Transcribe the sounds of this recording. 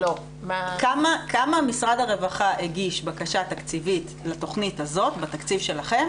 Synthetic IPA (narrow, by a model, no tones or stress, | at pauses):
lo | makamakamamisʁadaʁe̞vaχaʔeɡiʃbakaʃatakt͡sivit | lato̞χnithazo̞tbat̪akt͡sivʃe̞laχe̞m